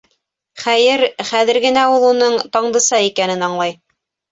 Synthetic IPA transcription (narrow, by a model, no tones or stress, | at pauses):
χæjɘɾχæðɘ̆ɾɡɘ̆næulˠunɤɴt̪ɑɴd̪ɤ̆sɑikænɘnɑɴlˠɑj